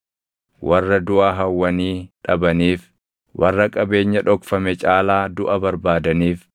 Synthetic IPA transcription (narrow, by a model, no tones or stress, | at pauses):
wʔɐrːɐd̪ʊʔaːɦɐwːɐniːᶑɐbɐniːf | wʔɐrːɐkʼɐbe̞ːɲːɐᶑɔkfɐmɛt͡ʃʼaːlaːd̪ʊʔɐbɐɾbaːd̪ɐniːf